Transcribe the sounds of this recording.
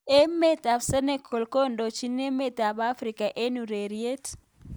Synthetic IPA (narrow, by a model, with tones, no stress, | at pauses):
e˦me˦ta˨bsɛ˦ne˦kʰo˨lkɔ˦ndo˨t͡ʃi˦ne˦me˦˨ta˨ba˦fɾi˨ka˨ʔe˦nu˨ɾe˨ɾi˨e˦t